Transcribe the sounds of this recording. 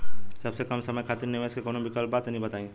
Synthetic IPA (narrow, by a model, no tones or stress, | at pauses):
sɐbsekɐmsɐməjkʰaːt̪ɪɾnɪʋeːskekoːnõbʱikɐlbaːt̪nɐɦĩbɐt̪aːĩː